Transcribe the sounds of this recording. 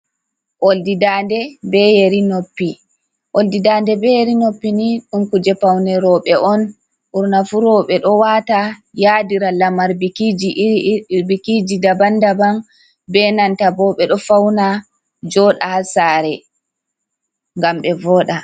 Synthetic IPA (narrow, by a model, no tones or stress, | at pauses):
ʔoldidandɛbɛjeɾinopːi | ʔoldidandɛbɛjeɾinopːiniɗumkud͡ʒɛpawnɛɾɔɓɛʔɔn | ʔuɾnafuɾɔɓɛɗɔwatajadiɾalamaɾbikid͡ʒiɾbikid͡ʒidabandaban | bɛnantabɔɓɛɗɔfawna | d͡ʒɔɗahasaɾɛ | ŋɡamɓɛvɔːɗa